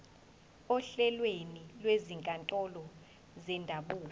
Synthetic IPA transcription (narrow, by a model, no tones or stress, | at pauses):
ɔɬɛlwenilweziŋkʼantʼɔlɔ | zɛndʱaɓuːl